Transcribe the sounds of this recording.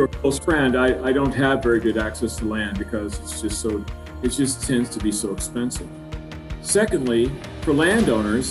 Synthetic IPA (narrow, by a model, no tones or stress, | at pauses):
ə˞kʰoʊsfʰɹ̥ɛ̃ndaɪʔaɪɾõʊ̃nt̚ɦɨvɛɹiɡʊɾæksɛstʰəlæ̃n̚bɨkʰʌzɨtsd̥ʒ̥ʌstsoʊ | ɨt̚d̥ʒ̥ʌstʰɛ̃ndz̥tʰɨbisoʊəkspɛ̃nsɨ̰v̥ | sɛkɨ̃ndˡli | fə˞læ̃ndõʊ̃nə˞z̥